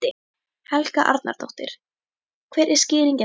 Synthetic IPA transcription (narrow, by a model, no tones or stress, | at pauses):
ɪ | hɛlkaʔa̰ɾt̪na̰ɾ̥t̪owht̪ɪ̰ɾ̥ | kʰvɛːɾʔɛɾ̥scɪːðiɲcɪ